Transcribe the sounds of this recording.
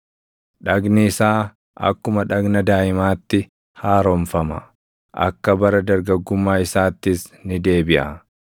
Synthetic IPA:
ᶑɐɡnɪːsaː | ʔɐ̰kːʊmɐᶑɐɡnɐd̪aːʔɪmaːt̪ːɪ | haːɾɔɱfɐmɐ̰ | ʔɐ̰kːɐbɐɾɐd̪ɐɾɡɐɡːʊmːaːɪsaːt̪ːɪsnɪd̪e̞ːbɪʔɐ

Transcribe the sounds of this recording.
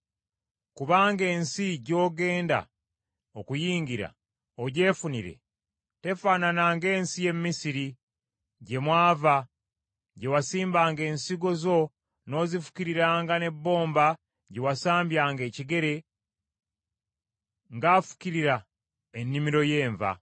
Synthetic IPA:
kuβaːŋɡe̞ːnsiɟo̞ːɡe̞ːnda̰ | okujiːŋɡiɾa̰ | oɟe̞ːfuniɾḛ | te̞faːnanaːŋɡe̞ːnsije̞mːisiɾi | ɟe̞mwaːva | ɟe̞wasiːmbaːŋɡe̞ːnsiɡo̞zo̞ | no̞zifu̥ciɾiɾaːŋɡane̞bːo̞ːmba | ɟe̞wasaːmbjaːŋɡe̞ːciɡe̞ɾe̞ | ŋɡaːfu̥ciɾiɾa | enːimiɾo̞je̞ːɱva̰

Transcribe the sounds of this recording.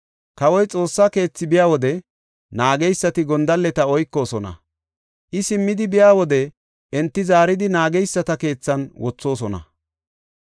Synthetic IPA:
kɐwɔjt͡sʼo̞ːsːake̞ːt͡sːɪbɪjaːwɔd̪ɛ | naːɡɛjsːɐt̪ɪɡɔnd̪ɐlːɛt̪ɐɔjkːo̞ːsɔnɐ̰ | ʔɪsɪmːɪd̪ɪbɪjaːwɔd̪ɛ | ʔɛnt̪ːɪzaːɾɪd̪ɪnaːɡɛjsːɐt̪ɐke̞ːt͡sːɐnwɔt͡sːo̞ːs̬ɔnɐ̰

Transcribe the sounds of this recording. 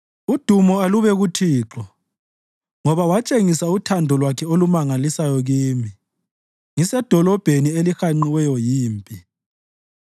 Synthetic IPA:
ud̥ʱumɔaluβɛɣutʰiːǁɔ | ŋɔβawat͡ʃʼeŋisautʰandʱɔlwakʰɛolumaŋalisajɔɣiːmi | ŋisɛd̥ʱɔlɔb̥ʱenielixaŋ͡ǃiwɛjɔjiːmpʼi

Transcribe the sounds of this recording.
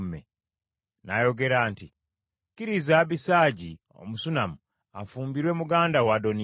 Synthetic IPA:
mḛ | najo̞ɡe̞ɾaːnti | kiɾizaβisaɟi | o̰musunamu | a̰fuːmbiɾwe̞muɡaːndawado̞ni

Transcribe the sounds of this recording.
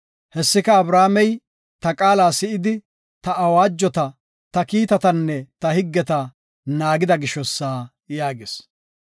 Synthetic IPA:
hɛsːɪkɐːbɾaːmɛj | t̪ɐkʼaːlaːsɪɪd̪ɪ | t̪ɐʔːwaːd͡ʒːɔt̪ɐ | t̪ɐkiːt̪ɐt̪ɐnːɛt̪ɐhɪɡːɛt̪ɐ | naːɡɪd̪ɐɡɪʃɔsːaː | jaːɡes

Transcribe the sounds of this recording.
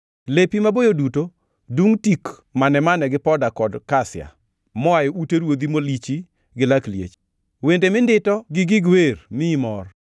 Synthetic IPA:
lepimabojoduto | duŋtik | manɛmanɛɡɪpɔdakɔdkasɪja̰ | mɔajɔuteɾwod̪imolit͡ʃi | ɡɪlakljḛt͡ʃ | wendemɪndɪtɔɡɪɡiɡwermɪmɔr

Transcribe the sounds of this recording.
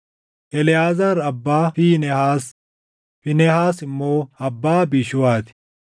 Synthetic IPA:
ʔɛlɪjaːzaɾɐbːaːfiːnɛhaːs | fɪnɛhaːsɪmːoːɐbːaːbiʃʊwaːt̪ɪ̥

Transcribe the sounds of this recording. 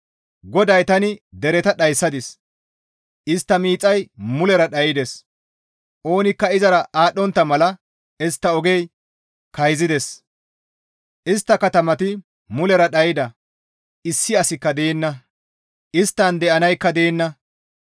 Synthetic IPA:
ɡɔd̪ɐjt̪ɐnɪd̪ɛɾɛt̪ɐɗɐjsːɐd̪ɪs | ʔɪst̪ːɐmiːt͡sʼːɐjmʊlɛɾɐɗɐjɪd̪ɛs | ʔo̞ːnɪkːɐɪzɐɾɐʔaːɗːɔnt̪ːɐmɐlɐ | ɪst̪ːɐɔɡɛj | kɐjzɪd̪ɛs | ʔɪst̪ːɐkɐt̪ɐmɐt̪ɪ | mʊlɛɾɐɗɐjɪd̪ɐ | ɪsːɪɐsɪkːɐd̪eːnːɐ | ɪst̪ːɐnd̪ɛʔɐnɐjkːɐd̪eːnːɐ

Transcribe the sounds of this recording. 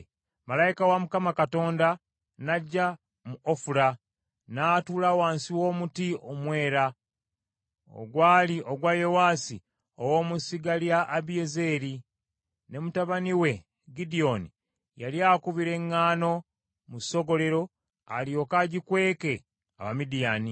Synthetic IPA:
malaikawamukamakato̞ːnda | naɟːa | muofuɾa | naːtuːlawaːnsiwo̞ːmutiomwe̞ːɾa | o̰ɡwaːliʔoɡwajo̞waːsḭ | owo̞ːmusiɡaljaʔːβijeze̞ːɾi | ne̞mutaβaniwe̞ | ɡidio̞ni | jaljaːkuβiɾe̞ŋːaːno̞ | muso̞ɡo̞le̞ɾo̞ | a̰ljo̞kaɟikwe̞ːke̞ | a̰βamidijaːni

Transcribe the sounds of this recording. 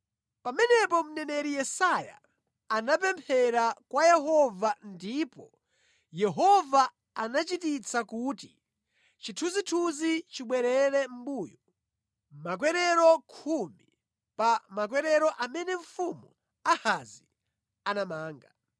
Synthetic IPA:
pamɛnɛpɔm̩nɛnɛɾijɛsaja̰ | anap̬ɛmpʰɛɾakwajɛɦɔvandipɔ | jɛɦɔva | anat͡ʃitit͡sakuːti | t͡ʃitʰuzitʰuzit͡ʃiɓwɛɾɛɾɛm̩buːjɔ | mak̬wɛɾɛɾɔkʰumi | pamak̬wɛɾɛɾɔʔamɛnɛɱ̩fumu | ahazi | anamaːŋɡa

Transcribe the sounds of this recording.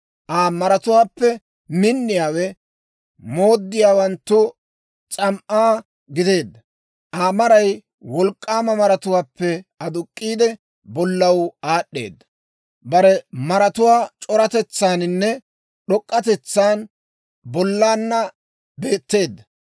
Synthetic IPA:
ʔaːmɐɾɐt̪ʊwaːpːɛ | mɪnːɪjaːwɛ | mo̞ːd̪ːɪjaːwɐnt̪ːʊ | t͡sʼɐmʔaː | ɡɪd̪e̞ːd̪ːɐ | ʔaːmɐɾɐj | wɔlkʼːaːmɐmɐɾɐt̪ʊwaːpːɛɐd̪ʊkʼːiːd̪ɛ | bɔlːɐwaːɗːe̞̰ːd̪ːɐ | bɐɾɛmɐɾɐt̪ʊwaːt͡ʃʼɔɾɐt̪ɛt͡sːaːnɪnːɛ | ɗɔkʼːɐt̪ɛt͡sːaːn | bɔlːaːnːɐ | be̞ːt̪ːe̞ːd̪ːɐ

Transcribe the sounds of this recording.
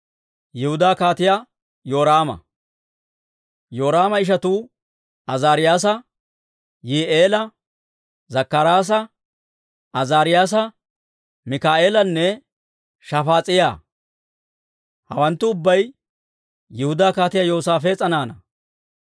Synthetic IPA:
jɛhʊd̪aːkaːt̪ɪja | jo̞ːɾaːmɐ̰ | jo̞ːɾaːmɐɪʃ̬ɐt̪uː | ɐzaːɾɪjaːs̬ɐ | jiːʔeːlɐ | zɐkːɐɾaːs̬ɐ | ʔɐzaːɾɪjaːs̬ɐ | mɪkaːʔeːlɐnːɛ | ʃɐfaːt͡sʼɪjaː | hɐwɐnt̪ːʊːbːɐj | jɪhʊd̪aːkaːt̪ɪjaːjo̞ːsaːfet͡sʼɐnaːnɐ

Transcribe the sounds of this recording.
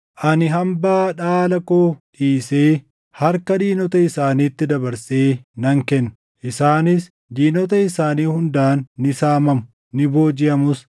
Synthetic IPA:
ʔɐnɪɦɐmbaːᶑaːlɐkoːᶑiːseː | hɐɾkɐᶑ̪iːnɔt̪ɐɪsaːniːt̪ːɪd̪ɐbɐɾseːnɐŋkɛnːʊ̥ | ʔɪsaːnɪs | d̪iːnɔt̪̬ɐɪsaːniːhʊnd̪aːnːɪsaːmɐmʊ̥ | nɪbo̞ːd͡ʒɪɐmʊs

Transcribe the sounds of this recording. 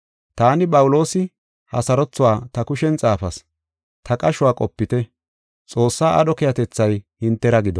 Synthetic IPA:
t̪aːnɪpʼɐwʊlo̞ːsɪ | hɐ̰sɐɾɔt͡sːʊwaːt̪ɐkʊʃɛnt͡sʼaːfɐs | t̪ʰɐkʼɐʃʊwaːkʼɔpːɪt̪ɛ | t͡sʼo̞ːsːaːʔɐ̰ɗɔkɪjɐt̪ɛt͡sːɐjhɪnt̪ːɛɾɐɡɪd̪ɔ

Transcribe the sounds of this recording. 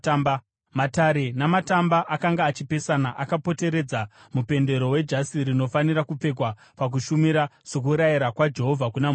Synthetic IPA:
mataɾe̞namatambaʔakaŋɡaːt͡ʃipe̞sanaʔakapo̞te̞ɾe̞d͡za | mupe̞nde̞ɾo̞we̞d͡ʒasiɾino̞fanirakup͡fe̞k̬wa | pak̬uʃumiɾaso̞k̬uɾajiɾakwad͡ʒe̞ɦo̞vʱakunam

